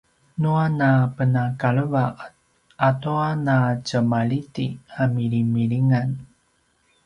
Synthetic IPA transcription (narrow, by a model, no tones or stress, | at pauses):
nuanapənakaɭəvaʔ | ʔatoanat͡ɕəmaɭitiamiɭimiɭiŋan